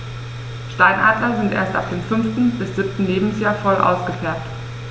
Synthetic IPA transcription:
ʃtaɪnʔaːdlɐzɪntʔḛːɐsta̰pd̥eːmfʏnftn̩b̥ɪsz̥ɪp̚tn̩leːbm̩sjaːɐfɔlʔa̰ʊsɡ̥əfɛɐp̚t

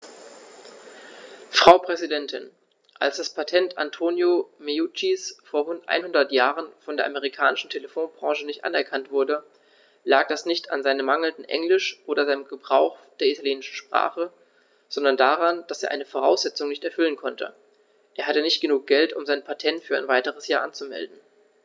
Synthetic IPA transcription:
fʁ̥aʊpʁ̥ɛzidɛntʰɪ̰n | ʔa̰lsd̥aspʰatʰɛnta̰ntʰoːnjomeut͡ʃisfoːɐʁʊntʔa̰ɪnhʊndɐtjaːʁənfɔndeːɐʔameʁ̞ikʰaːnɪʃn̩tʰeləfoːnbʁɑ̃ːʒənɪçtʔa̰nɛɐkʰantv̥ʊɐdə | laːk̚d̥asnɪçta̰nzaɪnəmaŋl̩ndn̩ʔɛ̰ŋlɪʃʔoːdɐzaɪnəmɡəbʁaʊxd̥eːɐitʰaljeːnɪʃn̩ʃpʁ̥a̰ːχə | z̥ɔndɐndaːʁand̥aseːɐʔa̰ɪnəfoʁ̞aʊsz̥ɛt͡sʊŋnɪçtɛɐfʏlənkʰɔntʰə̰ | ʔeːɐɦatənɪçt̚ɡ̥ənuːk̚ɡ̥ɛltʊ̰mzaɪnpʰatʰɛntfyːɐaɪnvaɪtəʁ̞əsjaːʔant͡sumɛ̰ldn̩

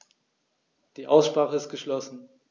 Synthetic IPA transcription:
d̥iːʔaʊsʃpʁ̥aːχəɪst̚ɡ̥əʃlɔsn̩

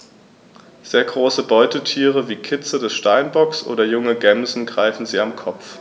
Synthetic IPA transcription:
z̥eːɐɡʁoːsəbɔʏtətʰiːʁ̞əviːkʰɪt͡sədɛsʃtaɪnbɔksʔo̰ːdɐjʊŋəɡɛmzn̩ɡʁaɪfn̩ziːamkʰɔpp͡f

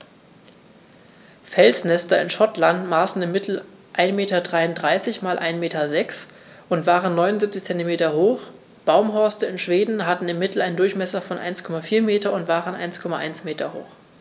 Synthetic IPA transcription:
fɛlsnɛstɐɪnʃɔtlantmaːsn̩ɪmːɪtʰl̩ | ʔaɪnmeːtɐdʁaɪʊntdʁaɪsɪçmaːlʔa̰ɪnmeːtɐzɛks | ʔʊntv̥aːʁənːɔʏnʊnzip̚t͡sɪçt͡sɛntimeːtɐɦoːx | b̥aʊmɦɔɐstəɪnʃv̥eːdn̩ɦatn̩ɪmːɪtl̩ʔaɪndʊɐçmɛsɐfɔnʔa̰ɪnskʰɔmafiːɐmeːtɐʊntv̥aːʁənʔa̰ɪnskʰɔmaʔa̰ɪnsmeːtɐho̰ːx

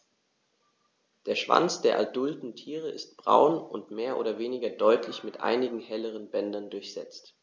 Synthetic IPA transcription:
d̥eːɐʃv̥a̰nt͡sd̥eːɐʔa̰dʊltn̩tʰiːʁ̞əʔɪst̚b̥ʁa̰ʊnʊntmeːɐʔo̰ːdɐveːnɪɡɐdɔʏtʰlɪçmɪtʔa̰ɪnɪɡŋ̩hɛləʁ̞ənbɛndɐndʊɐçz̥ɛ̰t͡st

